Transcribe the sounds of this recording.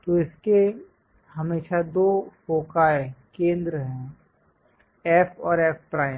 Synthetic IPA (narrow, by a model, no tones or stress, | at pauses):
t̪oɪske | ɦɐmeːʃad̪oːpoːkaːekẽːnd̪ɾəɦɛ̃ː | ɛːpʰɔːɾɛːpʰpɾaːɪ